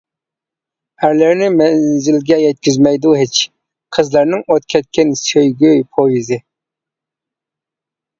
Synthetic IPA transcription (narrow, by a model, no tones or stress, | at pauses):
æɾlɪɾnɪmɛnzɪlɡʲɛjɛt̪̚kʲizmɛjd̪uɦet͡ʃ | qʰəzlæɾnɪŋot̪kʲʰɛt̪̚kʲɛnsøjɡʲøjpʰojizɪ